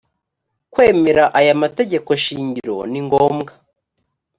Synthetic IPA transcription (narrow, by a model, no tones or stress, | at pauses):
kwe̞ːme̞ɾaʔajamate̞ɟe̞ko̞ʃiːɲɟiɾo̞niŋɡoːmɡa